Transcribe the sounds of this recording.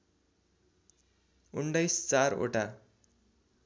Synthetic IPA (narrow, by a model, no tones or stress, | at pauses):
uɳɖʌjst͡saro̰ʈa